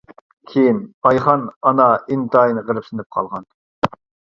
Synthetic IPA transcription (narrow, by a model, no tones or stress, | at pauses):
kʲʰejinɑjχɑnɑnɑint̪ʰɑːjnɨʁəɾɨpsɪnɪp̚qʰɑlˠʁɑn